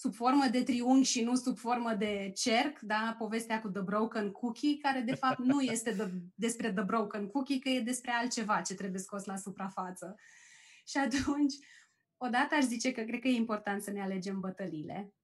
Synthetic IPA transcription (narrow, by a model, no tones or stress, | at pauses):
subfo̞rməd̪e̞t̪ɾiuŋɡʲʃinusubfo̞rməd̪e̞t͡ʃe̞rkd̪apo̞ve̞st̪eakud̪əbɾowkənkʰukʲikaɾe̞d̪e̞fap̚t̪nuje̞st̪e̞d̪əd̪e̞spɾe̞d̪əbɾowkənkukʲikəje̞d̪e̞spɾe̞alt̪̚t͡ʃe̞vat͡ʃe̞t̪ɾe̞buje̞sko̞slasupɾafat̪sə | ʃiat̪unt͡ʃʲ | o̞d̪at̪əaʃzit͡ʃe̞kəkɾed̪̚kəje̞impo̞rt̪ant̪səneale̞d͡ʒe̞mbət̪əlile̞̰